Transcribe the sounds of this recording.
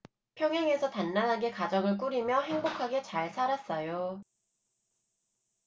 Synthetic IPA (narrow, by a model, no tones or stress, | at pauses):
pʰjʌŋɦe̞ŋe̞sʰʌtanːanɦaɡe̞kad͡ʑʌɡɯɭk̬͈uɾimjʌɦe̞ŋbokʰaɡe̞t͡ɕaɭsʰaɾas͈ʌjo